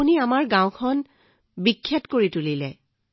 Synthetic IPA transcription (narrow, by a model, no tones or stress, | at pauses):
uniamaɹɡãw̃kʰɔn | bikʰːjɛtkoɹitulilɛ̰